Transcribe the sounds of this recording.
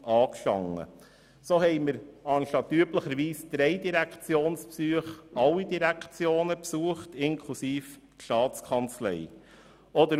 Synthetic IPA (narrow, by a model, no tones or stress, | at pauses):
ɑːkʃtɑ̰ŋːə̰ | soɦɛɪməɾɑnʃtɑt̪ːyːpləχəɾʋiːsd̪̥ɾɛɪdiɾækʰt͡sjoːnspsyəχɑlːidiɾækt͡sjoːnəpsuəχtɪŋkʰlusiːf | tʃtɑːtt͡skʰɑnt͡slɛ̰ɪ | ɔd̪ə